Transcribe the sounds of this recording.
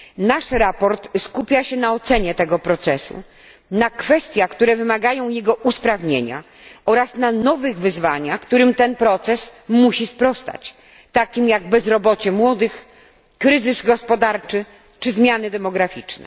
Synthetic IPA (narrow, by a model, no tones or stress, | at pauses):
naʂɾapɔɾt̪skupʲjaɕɛnaɔt̪sɛɲɛt̪ɛɡɔpɾɔt̪sɛsṵ | nakfɛst̪ʲjakt̪uɾɛvɘmaɡajɔ̃w̃jɛɡɔʔuspɾavɲḛɲa̰ | ɔɾasnanɔvɘɣvɘzvaɲakt̪uɾɘmt̪ɛnpɾɔt̪sɛsmuɕispɾɔst̪a̰t͡ɕ | t̪akʲimjaɡ̚bɛzɾɔbɔt͡ɕɛmwɔd̪ɘx | kɾɘzɘzɡɔspɔd̪aɾt͡ʂɘ | t͡ʂɘzmʲjanɘd̪ɛmɔɡɾafʲit͡ʂnɛ̰